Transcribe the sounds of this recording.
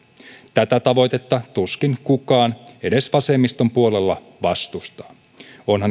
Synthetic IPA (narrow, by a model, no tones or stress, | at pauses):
t̪æt̪æt̪ɑʋo̞jt̪e̞t̪ːɑt̪uskinkukɑːne̞de̞sʋɑse̞mːist̪o̞mpuo̞le̞lːɑ | ʋɑst̪ust̪ɑː | o̞nhɑn